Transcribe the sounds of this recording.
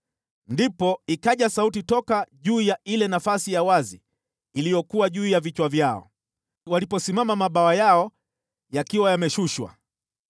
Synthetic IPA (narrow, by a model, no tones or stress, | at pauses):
ndipɔikaʄasautitɔkaʄuːjaʔilɛnafasijawazi | lijɔkuwaʄuːjavit͡ʃwavjaɔ̰ | walipɔsimamamaɓawajaɔ | jakiwajamɛʃuʃwa̰